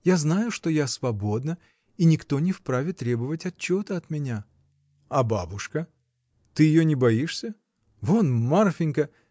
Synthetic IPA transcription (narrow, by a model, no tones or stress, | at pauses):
jaznajʊʂt̪o̞jasvɐbo̞d̪nə | inʲɪkt̪o̞nʲɪfpɾavʲɪt̪ɾʲe̞bəvətʲɐt͡ɕːot̪əɐt̪mʲɪnʲa | ɐbabʊʂkə | t̪ɨjɪjonʲɪbɐiʂsʲə | vonmarfʲɪnʲkə